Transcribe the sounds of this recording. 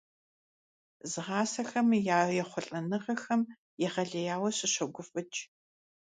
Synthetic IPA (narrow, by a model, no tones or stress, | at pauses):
zɨʁɑːsɐxɐmjaːrjɛχʷʊɬʼɐnɨʁɐxɐm | jɛʁɐɮɐjaːwɐɕʼɪɕɐɡʷʊfʼɨt͡ʃʼ